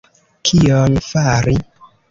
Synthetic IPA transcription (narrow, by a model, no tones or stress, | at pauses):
kʰiɔnfaɾi